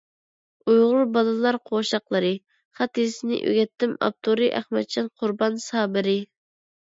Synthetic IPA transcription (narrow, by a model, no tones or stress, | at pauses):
ujʁʊɾbɑlˠɨlˠɑɾqʰoʃɑqlˠɨɾɨ | χɑt̪isɪnɪ̰ʔø̰ɡʲɛt̪ʰːɪmɑ̰p̚t̪ʰoɾɨʔæχmɛt̪̚t͡ʃʰɑnqʰʊɾbɑnsɑːbɪɾɪ